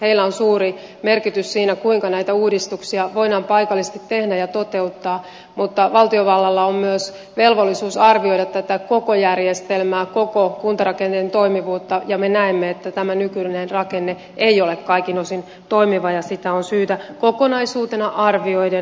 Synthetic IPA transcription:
heilːæonsuːɾi | merkit̪yssiːnækuiŋkɑnæit̪æuːdist̪uksiɑʋoidɑːmpɑikɑlːist̪it̪ːehdæjɑt̪ot̪e̞ut̪ːɑː | mut̪ːɑʋɑlt̪ioʋɑlːɑlːɑommyøs | ʋelʋolːisuːsɑrʋio̞idɑt̪t̪æt̪ækokojærjest̪elmæːkokokunt̪ɑrɑkent̪ent̪oimiʋuːt̪ːɑjɑmenæemːeet̪ːæt̪æmænykylinenrɑkenːe | eiolekkɑikinosin | t̪o̞imiʋɑjɑsit̪æonsyːt̪ækokonɑisuːt̪enɑʔɑrʋioiden

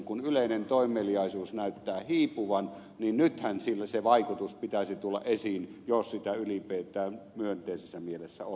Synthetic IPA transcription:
kunyleˑinent̪oˑimːˑelijɑˑisuːsnæˑyt̪ːæːhiːpuʋɑn | ninnyt̪hænsilːæseʋɑˑikut̪uspit̪æsit̪ulːɑ̰ʔʔesiːnjossit̪æylipeːt̪ˑæːmyønt̪ˑeˑisesːæmielesːæ̰o

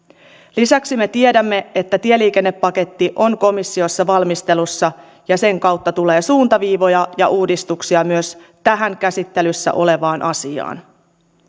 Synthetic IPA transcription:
lisæksime̞t̪ie̞dæmːe̞et̪ːæt̪ie̞liːke̞nːe̞pːɑke̞t̪ːiʔo̞ŋko̞misːio̞sːɑʋɑlmist̪e̞lusːɑ | jɑse̞ŋkɑwt̪ːɑt̪ule̞ːsuːnt̪ɑʋiːʋo̞jɑjɑ̰ʔuːdist̪uksiɑmyøs | t̪æɦæŋkæsit̪ːe̞lysːæ̰ʔo̞le̞ʋɑːnʔɑsiɑ̰ːn

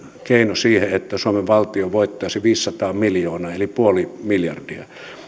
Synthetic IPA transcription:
keˑinosiːheet̪ːæsuomeʋʋɑlt̪ioʋoˑit̪ːɑˑisiʋiːsːɑt̪ɑːmiljoːnɑelipuolimiljɑrdiɑ̰

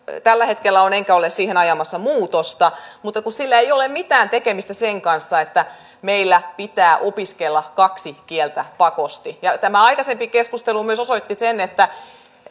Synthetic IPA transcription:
t̪ælːæhet̪kelːæoneŋkæolessiːhenɑjɑmɑsːɑmuːt̪ost̪ɑmut̪ːɑkussilːæeijolemmit̪æːnt̪ekemist̪æseŋkɑnsːɑet̪ːæ | meilːæpit̪æːʔopiskelːɑkɑksikielt̪æpɑkost̪ijɑt̪æmæɑijkɑsempikeskust̪elumyøsosoit̪ːisenet̪ːæ

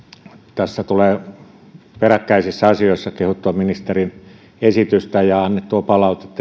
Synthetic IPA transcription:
t̪æsːæt̪uleː | perækːæisisːɑɑsioˑisːɑkehut̪ːuɑminist̪erin | esit̪yst̪æjɑɑnːet̪tuɑpɑlɑˑut̪et̪ː

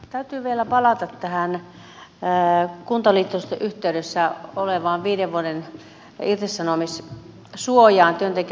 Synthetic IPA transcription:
t̪æyt̪yːʋielæpɑlɑt̪ɑt̪tæhæn | kunt̪ɑliːt̪ːost̪ɑʔyht̪eydesːæoleʋɑːʋʋiːdeʋʋuoden | irt̪esːɑnomis | suojɑːnt̪yønt̪ek

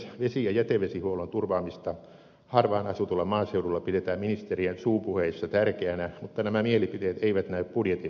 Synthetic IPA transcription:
ʋesijɑjæt̪eʋesihuolont̪urʋɑːmist̪ɑ | hɑrʋɑːnɑsut̪ulːɑmɑːseudulːɑpiɾet̪æːmminist̪eriensuːpuheisːɑt̪ærkeænæmut̪ːɑnæmæmielipit̪eːt̪eiʋæt̪næyppudjet̪i

